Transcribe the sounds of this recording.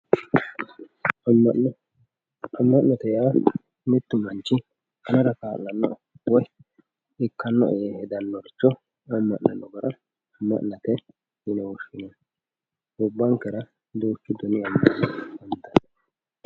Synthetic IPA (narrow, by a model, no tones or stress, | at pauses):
ɐmːɐʔnɐt̪ɛjaː | mɪt̪ːʊmɐnt͡ʃːɪ | ɐnɐɾɐkaːlːɐnːɔ̰ | wɔj | ɪkːɐnːɔ̰ʔɛehɛd̪ɐnːɔɾt͡ʃːɔ | ɐmːɐ̰ʔnɐnːɔɡɐɾɐ | ɐmːɐ̰ʔnɐt̪ɛ | hɪnɛwɔʃːɪnɐ | ʊbːɐŋkɛɾɐ | d̪oːkːɪd̪ɔnɪɐmːɐʔnɐɐnd̪ɐn